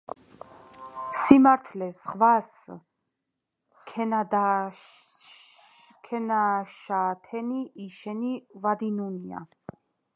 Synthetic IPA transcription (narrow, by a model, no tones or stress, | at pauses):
simaɾt̪ʰlɛzʁvas | k̪ʰd̪ | kʰɛnaʃat̪ʰɛniːʃɛnivad̪inunia̰